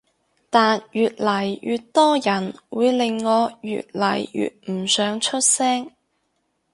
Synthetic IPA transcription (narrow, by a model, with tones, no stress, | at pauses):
t̪aː˨njyː˨t̚lɐ˨˩jjy̰ː˨t̚t̪ɔː˥jɐ˨˩nwuː˨˧jlɪ˨ŋːɔː˨˧jy̰ː˨t̚lɐ˨˩jjy̰˨t̚m̩˨˩sœː˨˥ŋt͡ʃʰɵ˥t̚sɛː˥ŋ